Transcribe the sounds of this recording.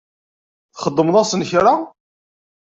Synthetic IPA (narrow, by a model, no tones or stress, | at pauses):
θχəd̪ˤːəmðˤɑsənçɾa